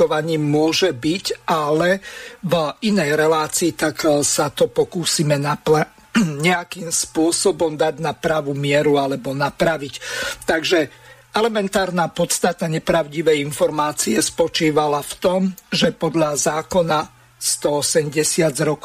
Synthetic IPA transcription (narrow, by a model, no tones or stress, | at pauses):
ɔʋaɲiːmʊɔʒɛbicalɛvinɛjɾɛlaːt͡siːt̪aksat̪ɔpɔkuːsimɛnapa | ɲɛakiːmspʊɔsɔbɔmd̪aɟnapɾaʋumɪɛɾualɛbɔnapɾaʋict̪aɡʒɛ | ɛlɛmɛnt̪aːɾnaːpɔt̪st̪at̪aɲɛpɾaʊɟiʋɛjinfɔɾmaːt͡siɛspɔt͡ʃiːʋalaft̪ɔmʒɛpɔd̪ʎazaːkɔna | st̪ɔɔsɛmɟɛsɪad͡zɾɔk